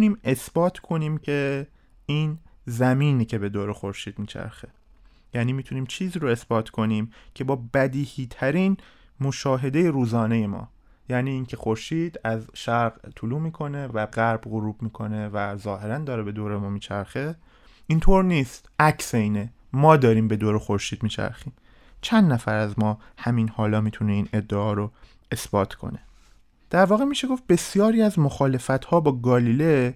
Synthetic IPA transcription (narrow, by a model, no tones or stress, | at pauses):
uniːme̞sb̥ɒːt̪ʰkʰo̞niːmcʰe̞ | iːn | zæmiːniːcʰe̞be̞d̪oːɾexo̞ɾʃiːd̪̥miːt͡ʃʰæ̰ɾxe | jæːniːmiːt̪ʰuniːmt͡ʃʰiːziːɾo̞e̞sbɒːt̪ʰkʰo̞niːmcʰe̞bɒːbæd̪iːhiːt̪ʰæɾiːn | mo̞ʃɒːɦe̞d̪e̞je̞ɾuːzɒːne̞je̞mɒ̰ː | jæːniːncʰe̞xo̞ɾʃiːd̪æzʃæɾɣt̪ʰuluːmiːkʰo̞ne̞væɢæɾbɣoɾuːbmiːkʰo̞ne̞væzɒːɦe̞ɾænd̪ɒːɾebe̞d̪oːɾe̞mɒːmiːt͡ʃʰæɾxe | ʔint̪ʰoːɾniːst̪ʔæcseiːne | mɒːd̪ɒːɾiːmbe̞d̪oːɾexo̞ɾʃiːd̪miːt͡ʃʰæ̰ɾxiːm | t͡ʃʰænd̪næfæɾæzmɒː | hæminhɒːlɒːmiːt̪ʰuneiːne̞d̪ːeɒːɾo | e̞sb̥ɒːt̪ʰkʰo̞̰ne | d̪̥æɾvɒːɣemiːʃeɡo̞f̚be̞sijɒːɾiːæzmoxɒːle̞fæt̪hɒːbɒːɡɒːliːle